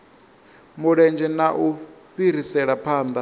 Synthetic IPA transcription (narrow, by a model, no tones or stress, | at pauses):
muɺɛnd͡ʒɛnaʔu | ɸiɾ̤isɛɺapʰaːnd̪a